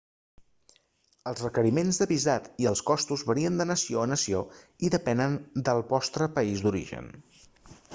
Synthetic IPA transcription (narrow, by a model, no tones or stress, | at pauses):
əlˠzrəkəɾimenzðəβizat̪iəlˠskɔst̪uzβəɾiənd̪ənəsioənəsio | iðəpɛnənd̪əlˠβɔst̪ɾəpəizd̪uɾḭʒə̰n